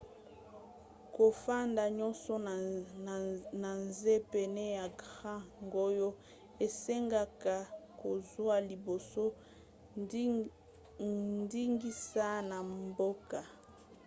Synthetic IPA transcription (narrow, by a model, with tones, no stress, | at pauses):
ko˨fa˦nda˨ɲɔ˦nsɔ˦ | na˨nze˦pe˨nɛ˦ja˨ɡʁã˦ŋɡo˦jo˦ | e˨se˦ŋɡa˨ka˨ko˨zwa˦li˨bo˨so˦ | ndi˦ŋɡi˦sa˦na˨mbo˦ka˨